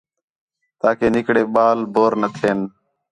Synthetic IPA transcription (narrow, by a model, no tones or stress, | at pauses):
t̪aːkeːnɪkɽeːɓaːlbʱoːɾnət̪ʰeːn